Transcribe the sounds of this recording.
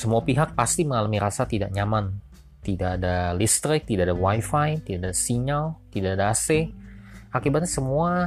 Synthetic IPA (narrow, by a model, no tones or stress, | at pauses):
səmuapiɦak̚past̪iməŋalamiɾasat̪idaʔɲaman | t̪idaʔːdalist̪ɾɪk̚t̪idaʔadawajfajt̪idaʔadasiɲalt̪idaʔadaːsɛ | akibat̪̚ɲasəmua